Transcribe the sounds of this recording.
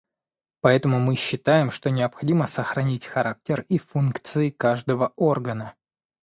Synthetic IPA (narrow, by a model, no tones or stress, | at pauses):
pɐɛt̪əmʊmɨɕːɪt̪ajɪmʂt̪o̞nʲɪəpxɐdʲiməsəxɾɐnʲitʲxɐɾʔak̚tʲɪrifunkt̪sɨɪkaʐd̪əvəo̞rɡənə